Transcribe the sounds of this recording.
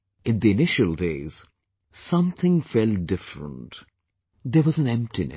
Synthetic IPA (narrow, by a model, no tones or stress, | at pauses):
ɨ̃nd̪iɨnɪʃəlˠdeɪz̥ | sʌ̃mθʰɪ̃ŋfɛlˠt̚d̥ɪfɹə̰̃nt | ðə˞wʌzə̃nɛ̃mp̚tinɨ̰